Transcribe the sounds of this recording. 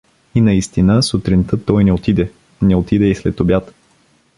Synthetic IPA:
inɐist̪inəsut̪ɾint̪ət̪ːɔjnɛot̪id̪ɛ | nɛot̪id̪ɛislɛt̪obʲjat̪

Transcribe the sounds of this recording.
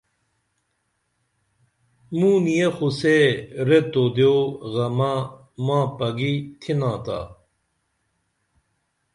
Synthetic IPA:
mũːnijexuseɾet̪oːd̪joːɣɐmãː | mãːpɐɡit̪ʰinãːt̪a̰ː

